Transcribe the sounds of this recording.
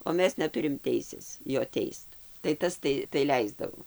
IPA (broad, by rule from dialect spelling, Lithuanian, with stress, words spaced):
oː ˈmʲɛs nʲɛˈtʊrʲɪm ˈtʲɛɪsʲeːs ˈjoː ˈtʲɛɪst tɐɪ ˈtɐs tɐɪ tɐɪ ˈlʲɛɪzdɐʋoː